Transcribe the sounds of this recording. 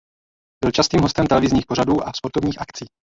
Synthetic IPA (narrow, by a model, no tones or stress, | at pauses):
b̥ɪlt͡ʃast̪iːmɦost̪ɛmt̪ɛlɛvɪzɲiːxpo̞ɾ̝aduːʔafspo̞ɾt̪ovɲiːxakt͡siː